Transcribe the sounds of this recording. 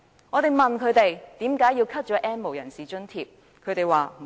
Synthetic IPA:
ŋɔː˨˧t̪e˨˩jmɐ˨nkʰɵ˨˧ɥt̪e˨jt̪iː˨˥mkaː˨˥ji˧wkʰɐ˥t̚t͡ʃɔː˨˥ʔɛː˥nmo˨wjɐ˨˩nsiː˨t͡ʃɵ˥nt̪ʰiː˧p̚ | kʰɵ˨˧ɥt̪e˨˩jwaː˨

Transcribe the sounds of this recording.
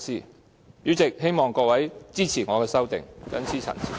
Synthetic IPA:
siː˥ | jyː˨˥t͡sɪ˨k̚he˥jmɔː˨ŋkɔː˧wɐ˨˥jt͡siː˥t͡sʰiː˨˩ŋɔː˨˧kɛː˧sɐ˥wt̪ɪ̰˨ŋkɐ̰˨˥nt͡sʰiː˥t͡sʰɐ̰˨˩nsʰḭ˨˩

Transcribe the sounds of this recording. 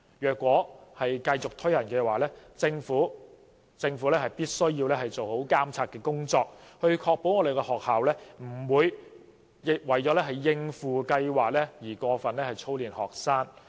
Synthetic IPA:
jœː˨kːwɔː˨˥hɐ˨jkɐ˧jt͡sʊ˨k̚t̪ʰɵ˥ɥjɐ˨˩nkɛː˧waː˨˩lɛː˥t͡sɪ˧ŋfuː˨˥ | t͡sɪ˧ŋfuː˨˥lɛː˥hɐ˨jpiː˥t̚sɵ˥ɥjiː˧wlɛː˥ɦɐ˨jt͡so˨who˨˥wkaː˥mt͡sʰaː˧t̚kɛː˧kʊ˥ŋt͡sɔː˧k̚hɵ˧ɥkʰɔː˧k̚po˨˥wŋɔː˨˧d̪e˨jkɛ˧hɔː˨k̚haː˨˩wlɛː˥m̩˨˩wuː˨˧j | jɪ˨k̚wɐ˨˩jt͡sɔː˨˥lɛː˥ɦɐ˨˩jːɪ˧ŋfuː˨˩kɐ˧jwaː˨k̚lɛː˥jiː˨˩kʷɔː˧fɐ˨nlɛː˥hɐ˨˩jt͡sʰo˥wliː˨nhɔː˨˩k̚saː˥ŋ

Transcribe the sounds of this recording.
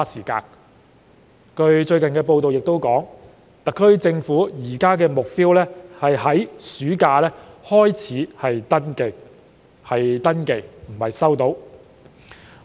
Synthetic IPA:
a˥siː˨˩ka̰ː˧n | kɵ˧ɥt͡ʃɵ˧ɥkɐ˨nkɛː˧po˧wt̪o˨wjɪ˨k̚t̪o˥wkɔː˨˥ŋ | t̪ɐ˨kʰːɵ˥ɥt͡sɪ˧ŋfuː˨˥jiː˨˩kaː˥k̬ɛː˧mʊ˨k̚piː˥wlɛː˥hɐ˨jɦɐ˨˥jsyː˨˥kaː˧lɛː˥hɔː˥jt͡sʰiː˨˥hɐ˨jt̪ɐ˥nke˨˧j | hɐ˨jt̪ɐ˥nke˨˧jm̩˨˩hɐ˨jsɐ˥wt̪o˨˥w

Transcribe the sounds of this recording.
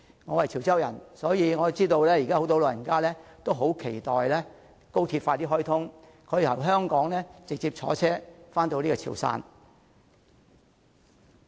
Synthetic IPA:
ŋɔː˨˧wɐ˨˩jt͡sʰi˨˩wt͡sɐ˥wjɐ̰˨˩nsɔː˨˥jiː˨˧ŋɔː˨˧t͡siː˥t̪o˧wlɛː˥jiː˨˩kaː˥o˨˧˥t̪o˨˧wloː˨˧jɐ˨˩nkaː˥lɛː˥t̪o˥wɦo˨˥wkʰe˨˩jt̪ɔː˨jlɛː˥ | ko˥wt̪ʰiː˧t̚faː˧t̪iː˥ɦɔː˥jt̪ʰʊ˥ŋ | kʰɔ˨˧ji˨˩jɐ̰˨˩wɦœː˥ŋkɔː˨˥ŋlɛː˥t͡sɪ˨k̚t͡siː˧p̚t͡ʃʰɔ̰ː˨˥t͡sʰɛː˥faː˥nt̪o˧wliː˥kɔː˧t͡sʰḭ˨˩wsa̰ː˧n

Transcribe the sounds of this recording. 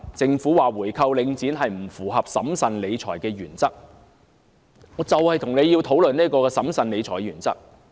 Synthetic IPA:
t͡sɪ˧ŋfuː˨˥waː˨˩wuː˨˩jkʰɐ˧wlɪ˨˧ŋt͡siː˨˥nɦɐ˨jm̩˨˩fuː˨˩ɦɐ˨p̚sɐ̰˨˥msɐ˨nle˨˧jt͡sʰɔ̰ː˨˩jkɛː˧jyː˨˩nt͡sɐ˥k̚ | ŋɔː˨˧t͡sɐ˨whɐ˨jt̪ʰʊ˨˩ŋne˨˧jiː˧wt̪ʰo˨˥wlɵ˨ni˥kɔː˧kɛː˧sɐ˨˥msɐ˨˧nle˨˧jt͡sʰɔː˨˩jɥyː˨˩nt͡sɐ̰˥k̚

